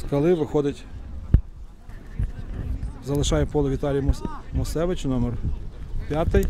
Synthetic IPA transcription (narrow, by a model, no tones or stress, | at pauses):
skɐlˠɪʋɪxɔd̪ɪtʲ | zɐlˠɪʃɑjɛpɔlˠɐʋʲit̪ɑlʲijmɔsɛʋɪt͡ʃnɔmɛrpʲjat̪ɪj